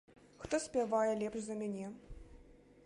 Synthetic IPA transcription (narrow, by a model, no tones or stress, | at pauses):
xt̪ɔsʲpʲavajɛlʲɛpʂzɐmʲanʲɛ